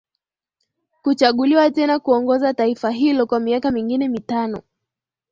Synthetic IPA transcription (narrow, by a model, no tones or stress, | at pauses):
kut͡ʃaɠuliwatɛnakuɔŋɡɔzataifaɦilɔkwamiakamiŋɡinɛmitanɔ